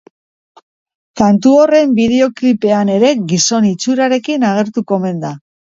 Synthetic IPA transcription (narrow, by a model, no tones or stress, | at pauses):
kant̪uo̞re̞mbið̞e̞o̞klipe̞ane̞ɾe̞ɣiso̞nit͡suɾaɾe̞kinaɣe̞ɾt̪uko̞me̞nd̪a